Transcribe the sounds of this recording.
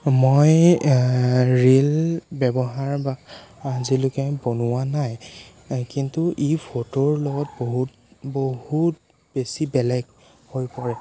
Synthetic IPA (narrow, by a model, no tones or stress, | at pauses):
moj | ɹilbɛbɔɦaɹbaːzilʊkɛbonʊwanaj | kintuʔipʰotoɹlɔɡɔt̚boɦut | bohut | b̥esibɛlɛɡ | hojpɔɹɛ